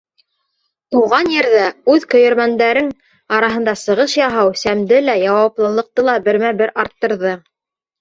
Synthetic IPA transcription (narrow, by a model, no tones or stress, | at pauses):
t̪uʁɑnjɘ̆ɾðæʉðkɵ̆jɘ̆ɾmænd̪æɾɘn | ɑɾɑɦɤ̆nd̪ɑsɤ̆ʁɤʃjɑɦɑwsæmd̪ɘlæjɑwɑplˠɤ̆lˠɤ̆q̚t̪ɤlˠɑbɘ̆ɾmæbɘɾɑɾt̪ːɤ̆ɾðɤ